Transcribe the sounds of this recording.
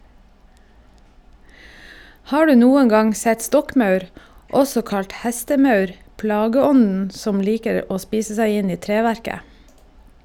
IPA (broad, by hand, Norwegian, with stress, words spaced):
ˈhɑː ˈɖʉː ˈnuːəŋ ˈɡɑŋ ˈsɛt ˈstɔkˌmɑʉɾ ˈɔsɔ ˈkɑʎt ˈhɛstəˌmɑʉɾ ˈplɑːɡəˌɔnn̩ ˈsɔm ˈliːkəɾ ˈoː ˈspiːsə ˈsæɪ ˈɪn ˈiː ˈtɾeːˌʋæɾkə